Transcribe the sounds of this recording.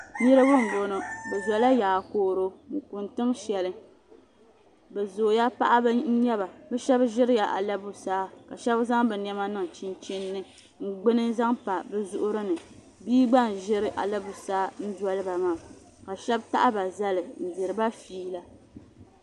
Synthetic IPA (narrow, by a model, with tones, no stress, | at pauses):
jɪ˦ɾɨ˦bɨ˦ŋ̩˨ɡo˨no˨bɛ˨za˨la˦jaː˨koː˦ɾo˦mu˨ku˨ntɨ˦ŋʃɛ˨lɨ˦ | bɛ˨zo˨ja˦pa̰˦ʔa˦bn̩˦ɲɛ˦ba˨bɛ˦ʃɛ˦bʒɪ˦ɾɪ˦ja˨ʔa̰˨la˦bu˦saː˦ka˨ʃɛ˦bza˦ŋbɛ˨nɛ˦ma˦nɨ˨ŋ˨t͡ʃi˦nt͡ʃi˦nːɨ˦ | ŋ̩˦˨ɡ͡bɨ˦nɨ˦za˦ŋpa˨bɛ˦zʊ˦ʔʊ˦ɾɨ˦nɨ˨ | biː˦ɡ͡ba˦n˨ʒɪ˦ɾɨ˦ʔa̰˨la˦bu˨saː˦n̩˦dɔ˦lɨ˦ba˨ma˦˨ | ka˨ʃɛ˦bta̰˦ʔa˦ba˨za˦lɨ˨n̩˨dɪ˨ɾɨ˨ba˦fiː˦la˦